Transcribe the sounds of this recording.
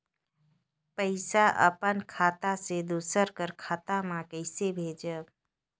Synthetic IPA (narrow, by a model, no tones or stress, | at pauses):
pəɪsaʔə̰pənkʰaːt̪ased̪usəɾkəɾkʰaːt̪amãkəɪsebʱeːd͡ʒə